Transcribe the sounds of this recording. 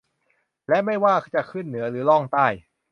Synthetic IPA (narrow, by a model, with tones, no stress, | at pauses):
lɛ˦˥ma˥˩jwaː˥˩t͡ɕa˨˩kʰɯ˥˩nːɯ˩˦ɐɾɯː˩˦lɔ˥˩ŋt̪aː˥˩j